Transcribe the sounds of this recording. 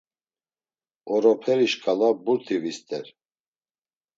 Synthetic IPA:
ɔɾɔpʰɛɾiʃkʼalabuɾt̪ʰivist̪ʼɛɾ

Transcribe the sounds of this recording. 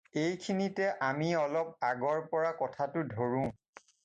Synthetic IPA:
ejkʰinitɛʔamiɔlɔp̚aɡɔɹpɔɹakɔtʰatʊdʱoɹũ

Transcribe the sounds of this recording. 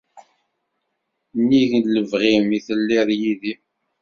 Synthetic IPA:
nːiʝənləvʁimiθəlːiðˤjiði

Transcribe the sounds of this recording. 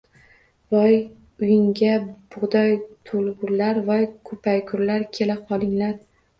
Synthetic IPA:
vɒj | ʊjɪŋɡʲab̥ʊʁd̪ɒjt̪ʰolˠɡʊɾlaɾvɒjkʰɵpʰajkʰʊɾlaɾkʲʰelaqʰɒlˠɪŋlaɾ

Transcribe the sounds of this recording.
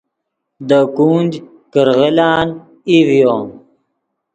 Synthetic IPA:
d̪əkuːnd͡ʑ | kəɾɣelaːn | ivjoːm

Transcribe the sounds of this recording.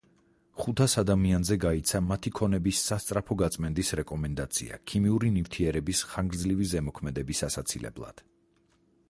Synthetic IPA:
χut̪ʰasad̪amianzɛɡait̪sʰamat̪ʰikʰɔnɛbisːast̪sʼɾapʰɔɡat̪sʼmɛnd̪isɾɛkʼɔmɛnd̪at̪sʰḭa̰kʰimiuɾinift̪ʰiɛɾɛbisχaŋɡɾd̪zlivizɛmɔkʰmɛd̪ɛbisasat̪sʰilɛ̰blˠa̰d̪̥

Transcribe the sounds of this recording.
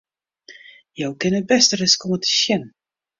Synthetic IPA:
jowkɪnət̚bɛstərɪskɔmətʰə̥ʃjɛn

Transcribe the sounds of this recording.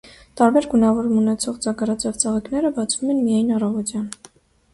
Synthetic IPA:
t̪ɑɾbɛɾɡunɑvɔɾumunɛt͡sʰɔʁd͡zɑkɑɾɑt͡sʰɑvt͡sɑʁiknɛɾəbɑt͡sʰv̥umɛnmijɑjnɑrɑvɔt̪jɑn

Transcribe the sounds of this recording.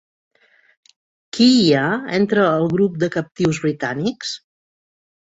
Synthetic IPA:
kiaent̪ɾəːlˠɣɾup̚d̪əkəp̚t̪iwzβɾit̪aniks

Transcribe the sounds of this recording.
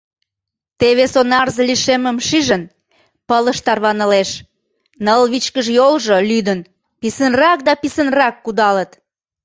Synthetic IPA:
t̪eβesonɑrzəliʃeməmʃiʒən | pələʃt̪ɑrβɑnə̆leʃ | nəlβit͡ɕkəʒjolʒolyd̪ən | pisənrɑk̚d̪ɑpisənrɑkːud̪ɑlət̪

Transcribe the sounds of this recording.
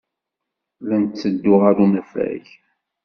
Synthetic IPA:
lænt̪t͡sːəd̪ːʊʁaɾunæfæ̰ç

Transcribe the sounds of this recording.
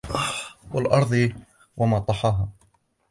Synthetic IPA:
walʔɑɾˤd̪ˤ | wamɑt̪ˤːɑħɑːɦa

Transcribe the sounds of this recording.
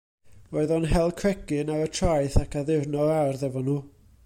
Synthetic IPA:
oɨðɔnɦɛlˠkʰrɛɡɨnawətʰrajθakʰaðɪrnɔawrðɛvɔnuː

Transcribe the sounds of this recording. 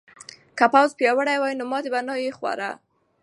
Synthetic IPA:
kapawzpjɑwəɽajwajnomɑt̪ebanɑjexwa̰ɾa̰

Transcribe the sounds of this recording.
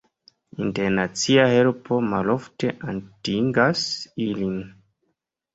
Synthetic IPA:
inteɾnat͡siahelpʰo̞malofte̞ʔantiŋɡasilin

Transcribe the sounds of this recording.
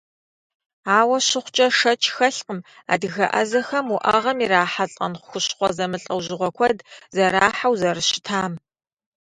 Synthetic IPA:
aːwɐɕɪχʷt͡ʃʼɐʂɐt͡ʃʰʼxɐɬqəm | a̰ːdɨɣɐʔɐ̰zɐxɐmuʔɐʁɐmiɾaːħaɬʼɐ̰nχʷʊxʷʊɕχʷɔzɐmɨɬʼɐwʑɪʁʷɔkʷʰɔdzɐɾaːħawzɐɾɨɕɪ̥tʰaːm

